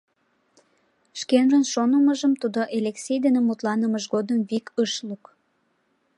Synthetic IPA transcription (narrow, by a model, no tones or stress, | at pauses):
ʃkenrənʃonəməʒəmt̪ud̪oʔelʲeksʲejd̪enemut̪lɑnəməʒɣod̪əmβikəʃluk